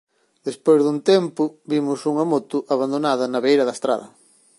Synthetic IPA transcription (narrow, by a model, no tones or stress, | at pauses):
d̪espojzðunt̪ɛmpʊβimʊsuŋɐmot̪ʊʔaβand̪onaðɐnɐβejɾɐðɐest̪ɾa̰ðɐ̰